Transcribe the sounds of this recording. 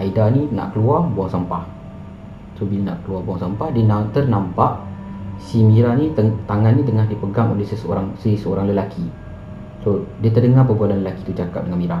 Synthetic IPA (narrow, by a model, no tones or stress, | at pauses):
ʔaidanĩna̰ʔkəluarbuaŋsampah | sobilana̰ʔkəluarbuaŋsampahdiənat̪ərnãmpaʔsimiɾanĩət̪aŋanːĩt̪əŋahdipəɡaŋo̰ləhsəsəo̰ɾaŋsisəo̰ɾaŋləlakʰi | sodiət̪ərdəŋarpəbualanləlakit̪ut͡ʃaka̰p̚dəŋanmiɾa